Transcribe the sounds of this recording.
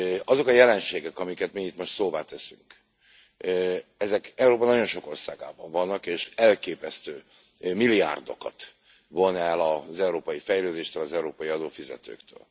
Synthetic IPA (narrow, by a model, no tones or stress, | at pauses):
ɒzo̞kɒjɛlɛnʃeːɡɛkɒmikɛt̪miit̪mo̞ʃt̪soːvaːt̪ɛsyŋk | ɛzɛkɛuɾoːpɒnɒɟo̞nʃo̞ko̞rsaːɡa̰ːbɒɱvɒnːɒkeːʃɛlkeːpɛst̪øː | milia̰ːrd̪o̞kɒ̰t̪ | vo̞nɛlɒzɛuɾoːpɒjifɛjløːd̪eːʃt̪øːlɒzɛuɾoːpɒjiɒd̪oːfizɛ̰t̪ø̰ːkt̪ø̰ːl